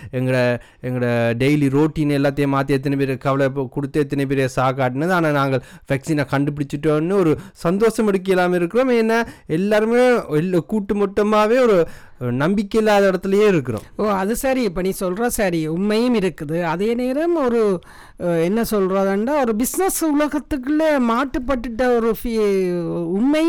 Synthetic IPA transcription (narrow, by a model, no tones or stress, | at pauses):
ɛŋɡɐɽɐ | ɛŋɡɐɽɐɖejliɾoːʈːiːnɛlːaːt̪̬ːejɐmaːt̪ːɛt̪̬ːɐnɐpeːɾjkɐʋɐlɐkʊɽɯt̪ːɐɛt̪ːɐnep̬eːɾɪjɐsaːkaːʈːɪnːɐðaːnaːnaːŋɡɐɭʋɐksiːnaːkɐɳɖɯpɪɽɪt͡ʃːɯʈːonːɯɔɾɯsɐnd̪oːsɐmɛɽɯk̬ːɪjɐlaːmɪɾɯkːɯɾoːmeːnːaɛlːaːɾɯmeːɛlkuːʈːɯmɔʈːɐmaːʋeːɔɾɯ | nɐmbɪkːɐɪlːaːðɐɪɽɐt̪ːɯlɐjeːɪɾɯkːɯɾõ̰ːmoːɐðɯsɐɾipːɐniːsɔlɾaːsɐɾiʊmːɐjɯmɪɾɯkːɐðɯɐðeːneːɾɐmɔɾɯ | ɛnːɐsɔlɾaːðɐɳɖaːɔɾɯbɪsnɐsʊlɐɣɐt̪ːɯk̬ːɯlemaːʈːɯpːɐʈːɯʈːɐɔɾɯfi | ʊmːɐj